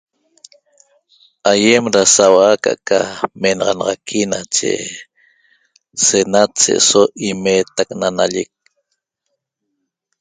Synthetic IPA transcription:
ajemɾasawaka̰ʔkʰamenɑʁɑnɑʁɑkʰinat͡ʃḛ | senat̪sḛʔsoʔimeːt̪aknanaʎek̚

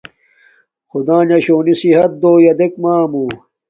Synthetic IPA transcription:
xud̪ãːnɐɕoːnisiɦɐt̪̚d̪oːjɐd̪ekmaːmuː

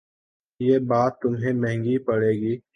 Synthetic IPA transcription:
jeːbaːt̪ːʊmɦẽmɛ̃ɦŋɡipɐɽeːɡiː

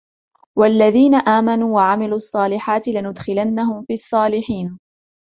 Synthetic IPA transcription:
walːaðiːnaʔaːmanuːwaʕamɪluːʔɑsˤːɑːlɪħaːt̪ɪlɪnʊd̪xɪlanːahʊmfiːɑsˤːɑːlɪħiːn

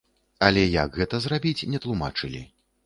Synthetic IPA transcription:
ɐlʲɛjɐɡɣɛt̪ɐzrabʲit͡sʲnʲɛt̪lˠuma̰t͡ʂɨlʲḭ

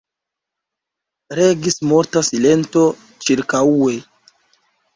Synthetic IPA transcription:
ɾeɡismoɾtasile̞nto̞ | t͡ʃiɾkaue

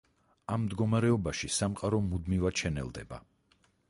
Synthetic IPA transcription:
amːd̪ɡɔmaɾɛɔbaʃisamqʼaɾɔmud̪mivaʃʰɛnɛ̰lˠd̪ɛ̰ba̰

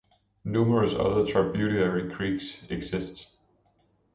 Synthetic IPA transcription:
numəɹəsʌ̰ðətʰab̥juɾiəɹikʰɹiːɡseɡ̥sɪsds

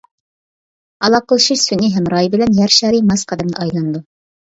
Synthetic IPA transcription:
ɑlˠɑqʰəlˠʃiʃsyniɦɛmɾɑjbɪlɛnjæɾʃɑːɾimɑsqʰɑd̪ɛmd̪ɑʔɑjlˠɑnɨd̪u

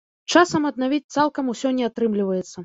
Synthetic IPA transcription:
t͡ʂasɐmɐd̪navʲit͡sʲt̪salˠkɐmusʲɔnʲɛat̪ɾɨmlʲivɐjɛt̪sːɐ

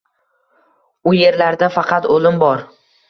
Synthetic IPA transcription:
ʊje̞ɾlaɾd̪afɑqʰɑt̪olɪmbɒɾ

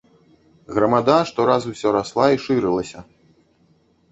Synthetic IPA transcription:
ɣɾɐmad̪aʂt̪ɔɾazusʲɔɾaslˠaiʂɨɾɨlˠɐsʲɐ

